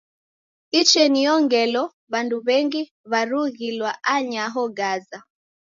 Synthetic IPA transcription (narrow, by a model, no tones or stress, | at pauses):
it͡ʃɛniɔŋɡɛlɔ | βanduβɛŋɡi | βaɾuɣilwaʔaɲaɦɔɡaza